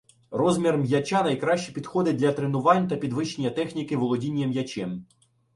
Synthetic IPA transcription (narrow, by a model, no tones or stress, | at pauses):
rɔzʲmʲirmjɐt͡ʃɑnɐjkɾɑʃt͡ʃipʲid̪xɔd̪ɪd̪lʲɐt̪ɾenʊʋɑnʲt̪ɐpʲid̪ʋɪʃenʲːɐt̪ɛxnʲikɪʋɔlˠɔdʲinʲːjɐmjɐt͡ʃɛm